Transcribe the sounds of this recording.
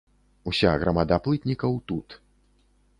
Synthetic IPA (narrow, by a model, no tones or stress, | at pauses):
usʲaɣɾɐmad̪aplˠɨt̪ʲnʲikɐwt̪ut̪